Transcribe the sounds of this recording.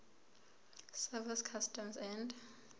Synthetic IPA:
sɛviskʰastʰɔmsɛnd

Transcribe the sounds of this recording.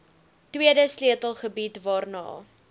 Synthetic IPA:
twiədəsliətəlˠχəbitvɑːrnɑ̰ː

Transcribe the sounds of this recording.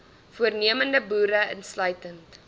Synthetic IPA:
fuərniəməndəbuːɾəə̰nslœɥtənt

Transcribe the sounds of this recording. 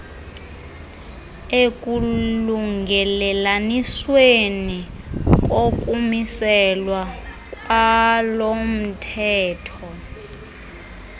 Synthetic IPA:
ekʼuluŋɡʱɛlɛlanisweni | k̬ʼokʼumisɛlwa | kʼwalom̩tʰɛːtʰɔ

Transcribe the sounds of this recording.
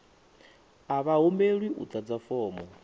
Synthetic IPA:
aβaɦombeɺwiʔṵt̪ʰʼad͡zafɔːmɔ

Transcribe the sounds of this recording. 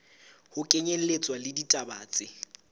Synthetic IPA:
hʊkʼeɲel̩let͡sʼwalɪditʼabaːt͡sʼɪ

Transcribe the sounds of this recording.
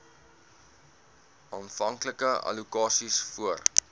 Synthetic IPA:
ɑːnfɐŋkləkəɐ̰lukɑːsisfuər

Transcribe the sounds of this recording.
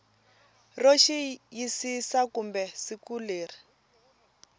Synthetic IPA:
roʃijisisakumbɛsikuleːri

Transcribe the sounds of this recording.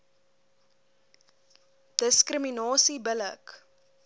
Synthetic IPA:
d̥əskrəminɑːsibələ̰k

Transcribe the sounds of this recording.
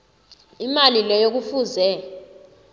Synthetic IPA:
imalilɛjok̬ufuːzɛ

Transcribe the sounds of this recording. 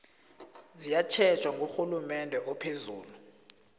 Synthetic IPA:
zijat͡ʃʰɛt͡ʃʰʼwaŋɡʱoxulumɛndʱɛʔɔpʰezuːlu

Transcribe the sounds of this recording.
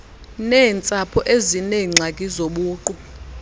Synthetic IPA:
nɛːnt͡sʼapʰɔʔezineŋ͡ǀʱakʼizoɓuːǃu

